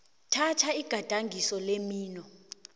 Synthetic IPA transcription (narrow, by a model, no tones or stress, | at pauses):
tʰatʰaiɡ̥ʱad̥ʱaŋɡʱisɔlemiːnɔ